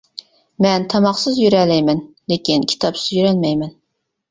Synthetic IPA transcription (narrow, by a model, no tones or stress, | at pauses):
mɛnt̪ʰɑmɑχsɨzjyɾɛlɛjmɛn | lekʲinkʲʰi̥t̪ʰɑpsɪzjyɾɛlmɛjmɛn